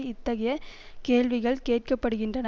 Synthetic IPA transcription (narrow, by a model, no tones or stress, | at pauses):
ɪt̪ːɐɣɐjɐ | keːɭʋɪɣɐɭkeːʈ̚kɐpːɐɽɯɣɪndrɐnɐ